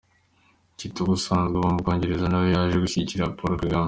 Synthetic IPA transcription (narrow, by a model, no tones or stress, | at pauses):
citoɡusaːnzɡaβomukoːɲɟeɾezanawojaʒeɡuçiɟciɾapoɾkeɡam